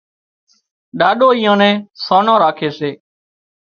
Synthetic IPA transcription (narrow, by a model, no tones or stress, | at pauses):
ɗaːɗoːiːãːnɛ̃ːsoːnãːɾaːkʰeːseː